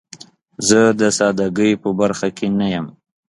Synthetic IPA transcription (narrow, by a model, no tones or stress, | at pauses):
zəd̪əsɑd̪aɡəjpəbaɾxakʰenajəm